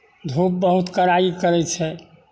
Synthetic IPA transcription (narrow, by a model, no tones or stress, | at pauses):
d̪ʱup̚bəɦut̪kəɾaikəɾɛt͡ʃʰɛ